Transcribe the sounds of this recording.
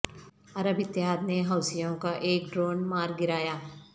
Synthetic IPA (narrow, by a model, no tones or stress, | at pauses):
ɐɾəbɪt̪ːjɦaːd̪̚neɦaːʊsijõkaʔeːkɖɾoːnmaːɾɡɪɾaːjaː